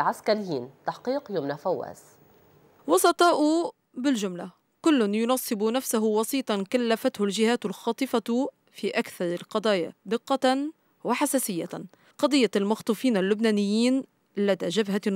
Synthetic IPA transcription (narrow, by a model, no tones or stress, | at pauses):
ʕaskaɾɪjːiːnt̪aħqiːqjʊmnafawːa̰ːs | wɑsˤɑt̪ˤɑːʔʊ | bɪld͡ʒʊmla | kʊlːʊnjʊnɑːsˤːɨbʊnafsaɦʊwɑsiːt̪ˤɑnkalːafat̪hʊlʒɪhaːt̪ʊlxɑːt̪ˤɨfa | fiʔakθɑɾˤɑlqɑd̪ˤɑːja̰d̪ɪqːɑn | wɪħasaːsɪjːa | qɑd̪ˤɨjːalmɑxt̪ˤufiːnalːʊbnaːnɪjːiːn | lad̪aʒabha